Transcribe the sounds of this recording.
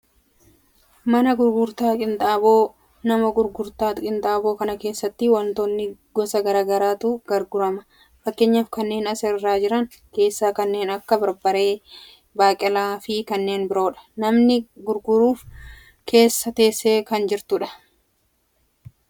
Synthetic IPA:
mɐnɐɡʊɾɡʊɾt̪aːkʼɪnt̪ʼaːboː | nɐmɐɡʊɾɡʊɾt̪aːt̪kʼɪnt̪ʼaːboːkɐnɐke̞ːsːɐt̪ːɪwɐnt̪oːnːɪɡ̥ɔsɐɡɐɾaːɡɐɾaːt̪ʊɡ̥ɐɾɡʊɾɐmɐ̥ | fɐkːeːɲːafkɐnːe̞ːnɐsɛrːaːd͡ʒɪɾɐŋ | ke̞ːsːaːkɐnːe̞ːnɐkːɐbɐɾbɐɾe̞ː | baːkʼɪlaːfɪkɐnːe̞ːnbɪɾo̞ːᶑɐ̥nɐmnɪɡʊɾɡʊɾuːf | kʰe̞ːsːɐt̪e̞ːsːe̞ːkɐnd͡ʒɪɾt̪ʊᶑɐ̥

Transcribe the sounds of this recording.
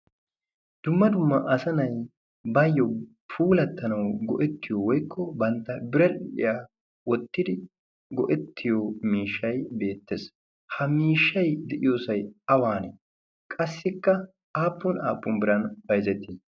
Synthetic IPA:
d̪̥ʊmːɐd̪ʊmːɐʔɐsɐnɐj | bɐjːɔ | pʰuːlɐt̪ːɐnɐwɡɔʔɛt̪ːɪjɔwɔjkːɔbɐnt̪ːɐbɪɾɐlɪ̰ja | wɔt̪ːɪd̪ɪ | ɡɔʔɛt̪ʰːɪjɔmiːʃːɐjbe̞ːt̪ːes | hɐmiːʃːɐjd̪ɛʔɪjoːsɐjɐwaːnɛ | kʼɐsːɪkːɐ | aːpːʊna̰ːpːʊmbɪɾɐnbɐjzɛt̪ːɪ

